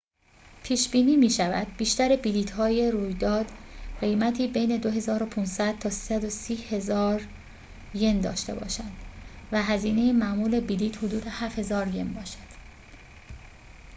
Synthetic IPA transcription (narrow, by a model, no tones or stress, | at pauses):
pʰiːʃbiːniːmiːʃævæ̰d̪̥̚biːʃt̪æɾebiliːt̪ʰhɒːje̞ɾuːjd̪ɒːd̪̥ɢe̞jmæt̪ʰiːbe̞jne̞d̪o̞ɦe̞zɒːɾo̞pʰunsæd̪̥̚t̪ʰɒːsi̥ːsæd̪o̞siːhe̞zɒːɾ | je̞nd̪ɒ̰ːʃt̪e̞̰bɒ̰ːʃænd̪væɦæziːne̞jemæʔmuːle̞biliːt̪hod̪uːd̪e̞hæfhe̞zɒːɾje̞nbɒːʃæ̥d̪̥